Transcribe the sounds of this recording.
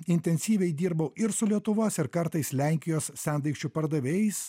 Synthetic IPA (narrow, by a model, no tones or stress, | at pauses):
ɪnʲt̪ʲɛnʲsʲiːʋʲɛɪd̪ʲiːɾbɐʊɪɾsʊlʲiɛt̪ʊʋoːsɪɾkɐɾt̪ɐɪslʲæˑŋʲkʲɪjoːssʲænd̪ɐɪkʃʲt͡ʃʲupɐɾd̪ɐʋʲeːjɛɪs